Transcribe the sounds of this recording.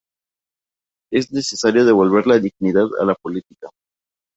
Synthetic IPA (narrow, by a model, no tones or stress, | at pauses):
e̞zne̞se̞saɾjoð̞e̞β̞o̞lβe̞ɾlaðiɣniðaða̰lapo̞lit̪ika